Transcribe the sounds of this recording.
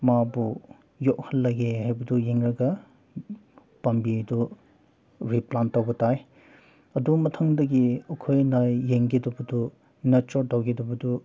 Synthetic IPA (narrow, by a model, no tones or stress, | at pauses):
mabu | jɔk̚hɐlːɐɡehajbɐdujeŋɾɐɡɐ | pɐmbidu | ɾiplantɐwɡɐtaj | ɐdumɐtʰɐŋdɐɡiɐkʰojnajːeŋɡedɔbɐdu | nɐt͡ʃɔɾtawɡedɔbɐdu